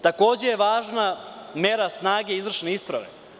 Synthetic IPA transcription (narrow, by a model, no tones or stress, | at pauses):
t̪ako̞ːd͡ʑejeʋaːʒname̞ɾasnaːɡeizʋr̩ʂʃneispɾaʋḛ